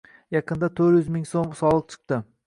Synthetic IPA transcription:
jɑqʰɨnd̪at̪ʰɵɾjʏzmɪŋsomsɒlˠəq̚t͡ʃʰɨ̥q̚t̪ɪ

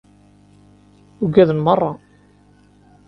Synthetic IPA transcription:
uɡæðənmərˤːɑ

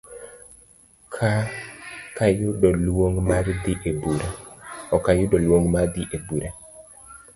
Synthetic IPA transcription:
kʰa | kajʊdɔlwoŋmard̪iʔebuɾaɔkajʊdɔlwoŋmad̪iʔebuɾa

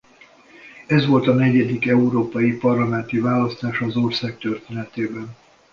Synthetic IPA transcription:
ɛzʋo̞lt̪ɒnɛɟɛd̪ikɛuɾoːpɒjipɒrlɒmɛnt̪ivaːlɒst̪aːʃɒzorsaːk̚t̪ørt̪eːnɛt̪eːbɛn

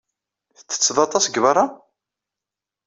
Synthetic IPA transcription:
θə̥t͡sːə̥t͡sːðˤɑt̪ˤɑsɡvɑɾˤɑ

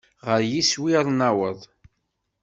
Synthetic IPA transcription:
ʁəɾjiswiɾˤnæwəðˤ

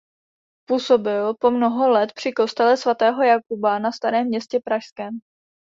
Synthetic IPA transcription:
puso̞bɪlpo̞mno̞ɦo̞lɛt̪pr̝̥ɪko̞st̪ɛlɛsvat̪ɛːɦo̞jakubanast̪aɾɛːmːɲɛscɛpɾaʃskɛːm

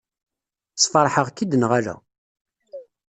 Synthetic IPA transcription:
sfɑɾˤħəʁkid̪ənʁæɾæ̰

